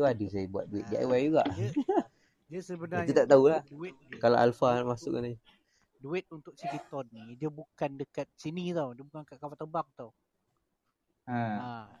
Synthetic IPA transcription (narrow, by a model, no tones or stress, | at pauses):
uadəsajəbua̰t̪̚duɪt̪̚dia̰jwajuɡa̰ʔ | dəsəbənaɲət̪aʔt̪auladuɪt̪̚kalaʔa̰lfanamasʊk̚anaɲ | duɪt̪̚unt̪ʊk̚sikit̪ɔdnidiəbukandəkat̪̚sinit̪awdiəbukankaʔkawat̪əbaŋ̚t̪aw | əa